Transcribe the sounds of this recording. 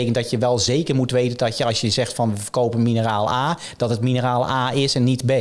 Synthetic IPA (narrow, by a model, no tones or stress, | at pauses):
ejkəndɔtjəʋɛlˠzeːkərmutʋeːtəndɔtəɑlˠsjəzɛxtfɔnʋəəkoːpənminəraːlˠaː | d̥ɔtɦətminəraːlˠaːɪsɛnːitbe